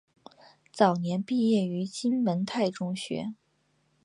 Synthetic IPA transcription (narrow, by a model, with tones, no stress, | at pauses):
t͡sɑ˨˩ʊnjɛ˧˥npi˥˧jɛ˥˩y˧˥t͡ɕi˥nwə˧˥nt̪ʰa˥˩ɪʈ͡ʂʊ˥ŋɕɥɛ̰˧˥